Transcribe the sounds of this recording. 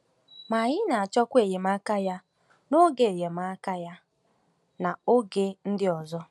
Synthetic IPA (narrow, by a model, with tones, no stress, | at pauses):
ma˨ɲɪ˦na˨a˨t͡ʃɔ˦kʷe˨je˨m˦a˦ka˦ja˦ | no˦ɡe˨e˨je˨ma˦ka˦ja˦ | na˨o˦ɡe˦n̩˦dɪ˦ɔ˨zɔ˦